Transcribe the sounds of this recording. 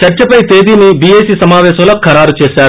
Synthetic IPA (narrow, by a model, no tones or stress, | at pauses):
t͡ʃɐɾt͡ʃɐpɐjt̪eːd̪iːnibieːsiːsɐmaːʋɛːsɐmloːkʰːɐɾaːɾut͡ʃeːsaːɾu